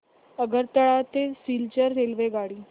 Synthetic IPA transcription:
əɡəɾt̪ːəɭat̪esilt͡ɕəɾːelʋeɡaɽiː

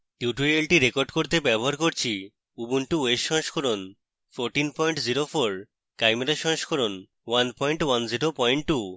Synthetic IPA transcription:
ʈiuʈuɾielʈiɾekoɾɖkoɾt̪ebɛboɦaɾkoɾt͡ɕʰi | ubunʈuweʃɔ̃ŋʃkʰɔɾon | fʰoɾʈinpɔjɳʈziɾofoɾ | kajmeɾaʃɔ̃ŋʃkʰɔɾon | wanpɔjɳʈwanziɾopɔjɳʈʈːu

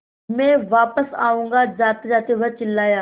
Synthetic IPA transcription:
mẽːʋaːpəsa̰ːʋũːŋɡazaːt̪izaːt̪iʋət͡ʃɪlaːjaː

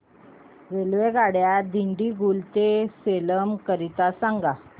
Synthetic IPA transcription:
ʋelʋeɡaɽjad̪iɳɖiɡult̪eseləmkəɾit̪asaŋɡa

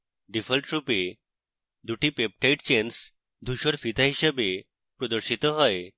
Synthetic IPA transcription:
ɖifəlʈɾupe | d̪uʈipep̚ʈajʈt͡ɕens | d̪ʱuɕəɾfit̪aɦiɕəbe | pɾɔd̪əɾɕit̪əɦɔe

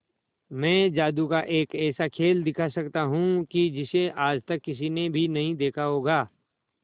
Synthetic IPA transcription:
mɛ̃ːd͡ʒaːd̪ukaʔeːkɛːsakʰeːld̪ɪkʰasɐkt̪aɦũkid͡ʒɪseʔaːd͡ʒt̪ɐkːɪs̬inebʱinɐɦĩd̪eːkʰaɦoːɡaː

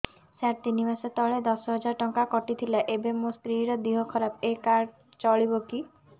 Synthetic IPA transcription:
saɾt̪inimaset̪ɔɭed̪ɔsɔɦɔd͡ʒaɾʈɔŋkakɔʈit̪ʰilaʔebemost̪ɾiɾɔd̪iɦɔkʰɔɾapekaɾ | t͡ʃɔɭiboki

